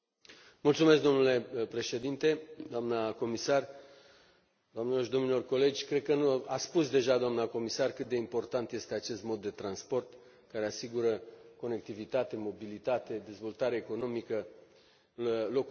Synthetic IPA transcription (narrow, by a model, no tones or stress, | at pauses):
mult̪sumesk̚d̪o̞mnule̞pɾe̞ʃe̞d̪int̪e̞d̪oamnəko̞misar | d̪oamneloʃd̪o̞mnilo̞rko̞le̞d͡ʒʲkɾed̪̚kənuaspusd̪e̞ʒad̪oamnəko̞misarkɨt̪̚d̪e̞impo̞rt̪ant̪je̞st̪eat͡ʃe̞st̪mo̞d̪ːe̞t̪ɾanspo̞rt̪ | kaɾe̞asiɡuɾəko̞ne̞k̚t̪ivit̪at̪e̞mo̞bilit̪at̪e̞d̪e̞zvo̞lt̪aɾeeko̞no̞mikə | lo̞k